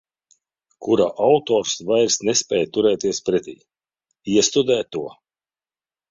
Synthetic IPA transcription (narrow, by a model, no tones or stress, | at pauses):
kuɾaʔawt̪ɔːɾsvajɾsnɛspʲɛːjt̪uɾɛːt̪iɛspɾɛt̪ʲḭj | iɛst̪ud̪ɛːt̪ːuɔ